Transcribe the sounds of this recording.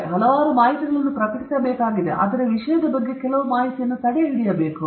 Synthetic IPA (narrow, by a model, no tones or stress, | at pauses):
ɦɐlɐʋaːɾumaːjiʈiɡɐɭɐnːupɾɐkɐʈisɐbeːkaːɡid̪ḛʔɐ̰d̪ɐɾɐʋiʂɐjɐd̪ɐbɐɡːe̞kɛlɐʋumaːjit̪ijɐnːut̪ɐɽeiɽijɐbeːku